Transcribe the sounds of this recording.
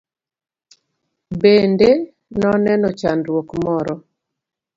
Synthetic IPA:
bende | nɔnɛnɔt͡ʃandwokmɔɾɔ

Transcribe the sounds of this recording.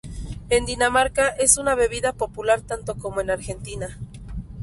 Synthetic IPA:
e̞nd̪inamaɾkaʔe̞sunaβe̞β̞iðapo̞pulaɾt̪ant̪o̞ko̞moe̞naɾxe̞nt̪ina

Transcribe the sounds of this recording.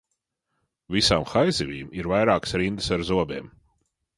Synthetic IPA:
visaːmxajzivʲiːmiɾvajɾaːksɾind̪ɨsaɾzuɔbɛːm

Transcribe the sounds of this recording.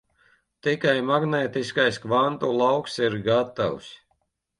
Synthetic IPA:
t̪ikajmaɡnɛːt̪iskajskvant̪ulˠawksiɾɡat̪a̰ws

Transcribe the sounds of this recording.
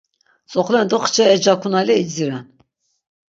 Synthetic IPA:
t͡sʼɔχlɛnd̪ɔχt͡ʃʰɛɛd͡ʒakʰunalɛid͡ʒd͡ziɾɛn

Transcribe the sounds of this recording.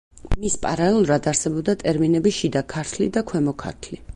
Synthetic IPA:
mispʼa̰ɾalɛlˠuɾad̪aɾsɛbɔb̚d̪at̪ʼɛɾminɛbiʃid̪akʰaɾt̪ʰlḭd̪akʰwɛmɔkʰa̰ɾt̪ʰli

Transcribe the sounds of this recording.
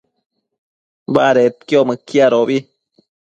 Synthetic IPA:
baɾet̪̚kjoməkjaɾobi

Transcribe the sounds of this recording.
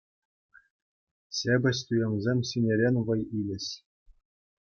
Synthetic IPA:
ɕʲebʲɘ̆ɕʲt̪ujɤ̆mʲzʲemʲɕinʲeɾʲenʲʋɤ̆jilʲɘ̆ɕ

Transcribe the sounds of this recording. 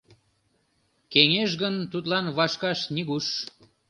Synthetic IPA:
keŋeʃɣənt̪ut̪lɑnβɑʃkɑʃniɣuʃ

